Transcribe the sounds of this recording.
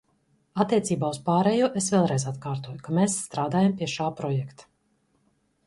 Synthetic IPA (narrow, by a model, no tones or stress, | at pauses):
at̪ːiɛt̪siːbaːuspaːɾɛjuɔʔesvʲɛːlˠɾɛjzat̪kaːɾt̪uɔjukameːsːt̪ɾaːd̪aːjampiɛʃaːpɾɔjɛkt̪ḁ